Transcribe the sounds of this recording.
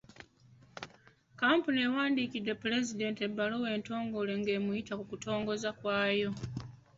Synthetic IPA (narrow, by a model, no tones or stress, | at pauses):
kaːmpune̞waːndiːkidːe̞pːule̞zide̞ːnte̞bːalowe̞ːnto̞ːŋɡo̞le̞ŋɡe̞ːmujitakukuto̞ːŋɡo̞zakwaːjo̞